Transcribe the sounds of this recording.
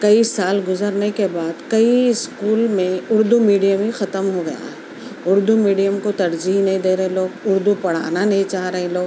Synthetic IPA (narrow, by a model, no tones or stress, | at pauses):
kɐisaːlɡʊzəɾnekebaːd̪kɐiɪskuːlmẽʊɾd̪umiːɖijəmɦixɐt̪əmɦoɡɐ̰ja̰ɦɛ | ʊɾd̪umiːɖijəmkot̪ɐɾd͡ʒiɦnɐɦĩd̪eːɾɐɦẽloːɡʊɾd̪upɐɽ̤a̰ːnanɐɦĩt͡ʃaːɦɾɐɦẽloːɡ